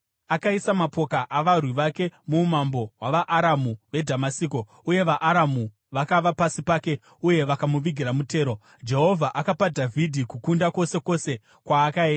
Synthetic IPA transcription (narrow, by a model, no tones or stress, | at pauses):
akaisamapo̞kaʔaʋarwiʋake̞mumambo̞waʋaʔːɾamuʋe̞dʱamasiːko̞ | uje̞ʋaʔːɾamu | ʋakaʋapasipaːke̞ | uje̞ʋakamuʋiɡʱiɾamute̞ːɾo̞ | d͡ʒe̞ɦo̞vʱaʔakapadʱavʱidʱikukundako̞se̞ko̞se̞ | kwaːkaeːnda